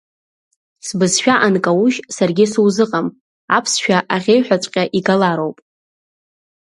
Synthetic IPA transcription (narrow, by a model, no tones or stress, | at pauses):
sbɨzʃᶣaʔankʼawuʒsarɡʲɪsuwzɨqʼam | apʰsʃᶣaʔaʁʲejħʷᶣat͡sʷʼqʲʼaʔiɡalaɾo̞wpʼ